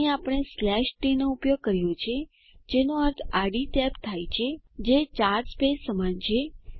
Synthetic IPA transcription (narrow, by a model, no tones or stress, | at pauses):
apəɽ̃eslɛʃʈinoupjoɡ̚kəɾjot͡ʃʰe | d͡ʒenoəɾt̪ʰaɖit̪ɛpt̪ʰajt͡ʃʰed͡ʒet͡ʃaɾɾspesːəmant͡ʃʰe